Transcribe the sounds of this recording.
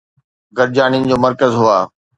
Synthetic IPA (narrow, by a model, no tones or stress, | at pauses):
ɡɐɾd͡ʑaːñiɪnɪ̆d͡ʑoːmɐɾkəzɦʊaː